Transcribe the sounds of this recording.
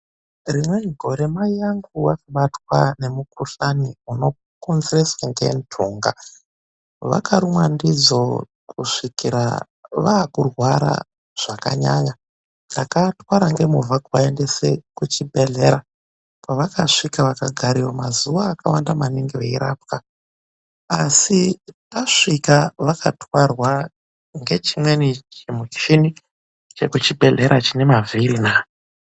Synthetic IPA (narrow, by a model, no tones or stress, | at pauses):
rimweɡʱo̞ɾe̞maiaŋɡuwakaɓatwane̞mukuɬaniuno̞ | konzireswaŋɡe̞̰ntʰuːŋɡa | ʋa̰kaɾumwandid͡zo | kuʂikiɾa̰ | ʋaːkurwaɾa̰ | ʐ̥aka̰ɲa̰ɲa | nakatwaɾaŋɡe̞muvʱakuʋaendesekut͡ʃibʱe̞ɮe̞ɾa | paʋakaʂikaʋakaɡʱaɾiwomazuʋaːkawandamaniŋɡiʋeiɾap̚ka | asipaʂikaʋakʰatwarwa | ŋɡe̞t͡ʃimwe̞nit͡ʃemut͡ʃini | t͡ʃe̞kut͡ʃibʱe̞ɮe̞ɾʔat͡ʃine̞maviɾinaː